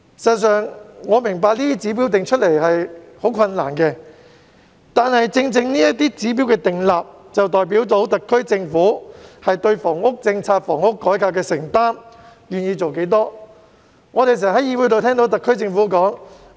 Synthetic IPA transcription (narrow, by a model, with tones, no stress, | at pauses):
sɐ˨sœː˨ŋŋɔː˨˧mɪ˨˩ŋpaː˧k̚liː˥t̪i˥t͡siː˨˥p̬iː˨˥wt̪ɪ˨ŋt͡ʃʰɵ˥t̚le˨˩jhɐ˨jho˨˥wkʰɐ˧nːa̰ː˨˩nkɛː˧ | t̪aː˨nhɐ˨jt͡sɪ˧ŋt͡sɪ˧ŋniː˥jɐ˥t̚t̪iː˥t͡siː˨˥p̬iː˨˥wkɛː˧t̪ɪ˨ŋlaː˨p̚ | t͡sɐ˨wt̪ɔː˨jp̬iː˨˥wt̪o˨˧˥wt̪ɐ˨kʰːɵ˥ɥt͡sɪ˧ŋfuː˨˥hɐ˨jt̪ɵ˧ɥfɔː˨˩ŋʊ˥k̚t͡sɪ˧ŋt͡sʰaː˧t̚fɔː˨˩ŋʊ˥kːɔː˨˥jkaː˧p̚kɛː˧sɪ˨˩ŋt̪aː˥m | jyː˨njiː˧t͡so˨wke˨˥jt̪ɔː˥ | ŋɔː˨˧t̪e˨js̬ɛː˨˩ɦɐ˨˥jiː˨˧wu˨˥t̪o˨˧t̪ʰɛː˥ŋt̪o˨˥wt̪ɐ˨kʰːɵ˥ɥt͡sɪ˧ŋfuː˨˥kɔː˨˥ŋ